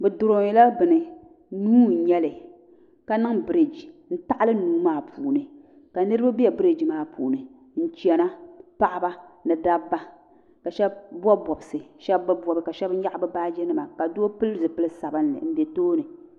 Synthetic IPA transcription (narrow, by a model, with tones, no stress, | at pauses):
bɨ˨dʊ˨ɾo˨ŋi˨la˦bɨ˨nɨ˨ | nuː˦n̩˨˦ɲɛ˦lɨ˨ | ka˦nɨ˦ŋbɨ˦ɾe˨d͡ʒi˨n̩˦ta˦ʔa˦lɨ˦nuː˦maː˦pʰuː˨nɨ˨ | ka˨nɨ˦ɾɨ˦ba˦bi˦ɛ˨bɨ˦ɾe˨d͡ʒi˨maː˦pʰuː˨nɨ˨ | n̩˦t͡ʃi˨ɛ˨na˦pa˦ʔa˦ba˦nɨ˨da˦bːa˦ | ka˨ʃɛ˦b̚bɔ˦bɔ˨bɨ˨sɨ˨ʃɛ˦bːɨ˦bɔ˨bɨ˦ka˨ʃɛ˦b̩˦ja˦ʔbɨ˦baː˦d͡ʒɛ˦nɨ˦ma˨ka˨du˦o˦pɨ˦lzɨ˨pɨ˦lɨ˦sa˨bɨ˦nɨ̰˨n̩˦de˨toː˦nɨ˨